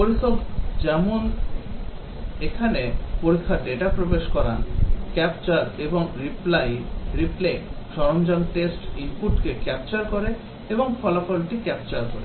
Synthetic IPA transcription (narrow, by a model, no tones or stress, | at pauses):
poɾisokd͡ʑɛmon | ekʰanepoɾikʰːaɖeeʈapɾobeʃkɔɾankɛpt͡ɕaɾeboŋɾiplajɾipleʃɔɾomd͡ʑɔnʈesʈimpuʈkekɛp̚t͡ɕaɾkoɾe | eboŋfʰɔlafolʈikɛp̚t͡ɕaɾkoɾḛ